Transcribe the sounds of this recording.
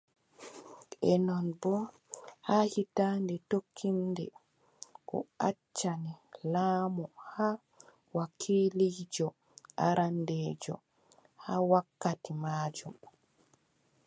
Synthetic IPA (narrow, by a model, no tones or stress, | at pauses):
ɛnɔnbɔ | hahitandɛtokʰːindɛ | kɔ̰at͡ʃːanɛlaːmɔha | wakʰiːlid͡ʒɔ | ʔaɾandɛːd͡ʒɔ̰ | hawakːatimaːd͡ʒum